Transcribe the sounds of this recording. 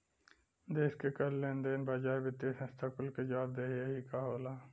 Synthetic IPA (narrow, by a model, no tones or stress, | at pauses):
d̪eːskekəlːẽːnd̪eːnbaːd͡ʒaːebɪt̪ːeʈʰẽst̪ʰakəlked͡ʒaːb̚d̪eːɦieɦikaːɦoːlaː